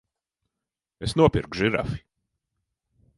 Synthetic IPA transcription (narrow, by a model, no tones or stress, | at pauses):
esnuɔpiɾkʒiɾa̰fi̥